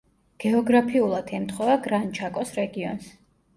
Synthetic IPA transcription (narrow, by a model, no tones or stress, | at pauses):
ɡ̥ɛɔɡɾapʰiulˠad̪ʰɛmt̪ʰχɔvaɡɾant͡ʃʰakʼɔsɾɛɡiɔ̰ns